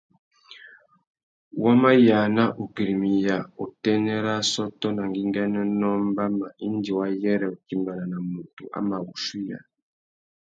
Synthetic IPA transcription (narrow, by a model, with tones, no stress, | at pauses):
wa˦ma˦ja˨na˦ʔu˨ɡi˨ɾi˨mi˨ja˨u˨tɛ˦nɛ˦ɾa˦sɔ˦tɔ˦na˨ŋɡi˦ŋɡɛ˦nɛ˦nɔ˦mba˦ma˨ʔi˦ndi˨wa˦jɛ˦ɾɛ˨u˨ki˦mba˨na˨na˨mu˨tṵ˨ʔa̰˨˦ma˨wu˨ʃi˦ja̰˨